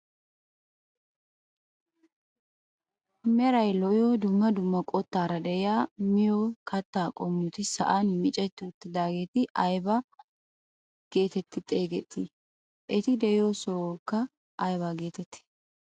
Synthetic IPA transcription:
mɛɾɐjlɔʔjod̪ʊmːɐd̪ʊmːɐkʼɔt̪ːaːɾɐd̪ɛɪjaːmɪjoːkʰɐt̪ːaːkʼɔmːʊt̪ɪsɐ̰ʔanmɪt͡ʃʼɛt̪ːɪʊt̪ːɪd̪aːɡe̞ːt̪ɪʔɐjbɐ | ɡ̥e̞ːt̪ɛt̪ːɪt̪ʼːeːɡɛt̪ːɪ | ʔɛt̪ɪd̪ɛɪjosɔkːɐ | ʔɐjbaɡe̞ːt̪ɛt̪ːɪ̥

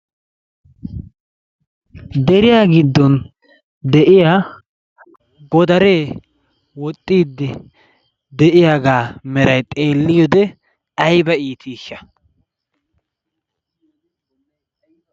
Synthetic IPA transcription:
d̪ɛɾɪjaːɡɪd̪ːɔn | d̪ɛʔɪjaː | ɡɔd̪ɐɾeː | wɔt̪ʼːiːd̪ːɪ | d̪ɛʔɪjaːɡaːmɛɾɐjt̪ʼe̞ːlːɪjɔd̪ɛ | ɐjbɐiːt̪ʰiːʃːɐ

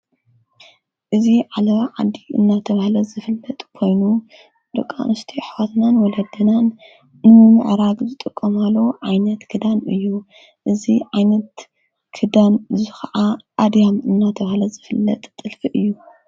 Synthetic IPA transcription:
ʔɨziʕalɐβʕa̰d̪iʔɨ̰nːat̪ʰɐβahlɐzɨfɨlːɐt̪ʼkʰo̞jnu | d̪̥ɨkʼːa̰nɨst̪ʰiħwat̪nanwɔlɐd̪ɐnanː | ɨmɨmɨ̰ʕɾaɡzɨt̪ʼɨkʼːɐmalːɐʕajnɐt̪kʰɨd̪amɨjːu | ʔɨziʕajnɐt̪ | kʰɨd̪anzɨxɐʔaʔad̪jamɨnːat̪ʰɐβahlɐzɨfɨlːɐ̰t̪ʼt̪ʼːɨlfɨʔɨjːu

